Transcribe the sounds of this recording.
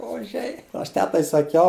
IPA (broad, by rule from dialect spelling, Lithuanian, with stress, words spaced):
oːˈʒʲɛɪ ɐʃ ˈtʲæːtɐɪ sɐˈkʲɛʊ